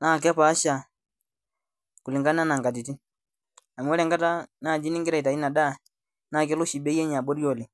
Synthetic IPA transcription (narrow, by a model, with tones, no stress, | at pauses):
naː˦˨k̬ɛ˦pa˨˦ʃa˨ | kʊ˨li˨ŋɡa˦na˦na˨ŋɡa˨ti˨ti˦ | a˨m˨wɔ˦ɾɛ˨ŋɡa˦ta˦naː˦˨d͡ʒi˦ni˦ŋɡɪ˦ɾɛ˨ta˨i˦na˨da˦˨ | naː˦˨kɛ˦lʊ˦ʃi˨be˦ɛ˦ɲa˨bo˦ɾjo˨le˨